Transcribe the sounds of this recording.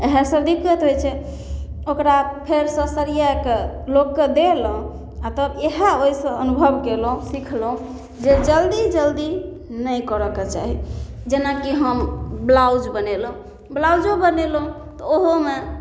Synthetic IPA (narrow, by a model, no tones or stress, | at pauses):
eɦesəbd̪ikːət̪ɦojt͡ʃʰɛ | okɾapʰeɾsə̃səɾijaeke | lokːed̪elɦũ | at̪əbeɦaoisə̃ənubʱəbkelɦũsikʰlɦũ | d͡ʒed͡ʒəld̪id͡ʒəld̪i | nəjkəɾəket͡ʃa̰ɦid͡ʒenakiɦəmblawd͡ʒbənelɦũ | blawd͡ʒobənelɦũ | t̪ɔoɦome